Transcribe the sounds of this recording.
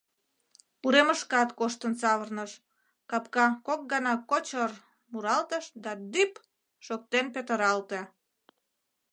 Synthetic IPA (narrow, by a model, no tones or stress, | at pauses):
uɾeməʃkɑt̪koʃt̪ənt͡sɑβərnəʃ | kɑpkɑkok̚ɡɑnɑkot͡ɕər | muɾɑlt̪əʃd̪ɑd̪yp | ʃok̚t̪enpet̪əɾɑlt̪e